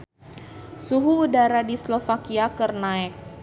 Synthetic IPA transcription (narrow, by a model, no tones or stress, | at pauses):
suɦuːdaɾadislɔfakiakərnaɛk̚